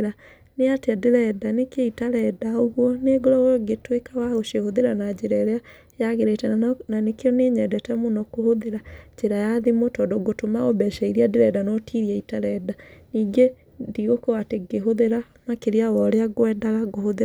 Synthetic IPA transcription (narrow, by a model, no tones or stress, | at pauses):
ɾa | neateadeɾɛdanekeitaɾɛdaoɣwɔneɡoɾɔwɔɡetwekawaoʃehoðeɾanad͡ʑeɾaeɾea | jaɣeɾetɛnanekeɔneɲɛdɛtɛmonɔkohoðeɾad͡ʒeɾajaðemotɔdɔɡotomaɣobɛʃaiɾiadeɾɛdanɔtiɾiaitaɾɛdaniːɡe | ndiɣokɔateɡeɦoðeɾa | makeɾiawɔɾeaɣoɛdaɣaɡohoðeɾa